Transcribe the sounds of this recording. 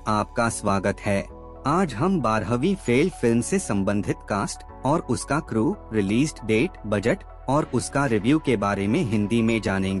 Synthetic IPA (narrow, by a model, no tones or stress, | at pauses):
aːp̚kasʋaːɡət̪hɛː | aːd͡ʒɦɐmbaːɾɦəʋifeːlfɪlmsesɐ̃mbə̃nd̪ʱɪt̪kaːsʈ | ɔːɾʊskakɾuːɾɪliːzɖɖeːʈbɐd͡ʒəʈ | ɔːɾʊskaɾɪʋjuːkebaːɾemẽɦɪ̃nd̪imẽd͡ʒaːnẽːŋɡeː